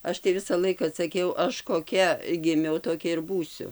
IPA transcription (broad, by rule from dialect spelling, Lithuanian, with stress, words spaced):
ˈɐʃ tɐɪ ˈʋʲɪsɐ ˈlˠɐɪkɐ sɐˈkʲɛʊ ˈɐʃ koːˈkʲɛ ɡʲɪˈmʲɛʊ toːˈkʲɛ ɪr ˈbuːsʲʊ